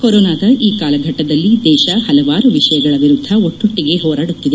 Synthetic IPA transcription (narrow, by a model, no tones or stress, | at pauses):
koɾoːnaːd̪ɐʔiːkaːlɐɡʱɐʈːɐd̪ɐlːid̪ɛːʃɐhɐlɐʋaːɾuʋiʂɐjɐɡɐɭɐʋiɾud̪ʱɐoʈːuʈːiɡe̞ɦɔːɾaːɽut̪ːid̪e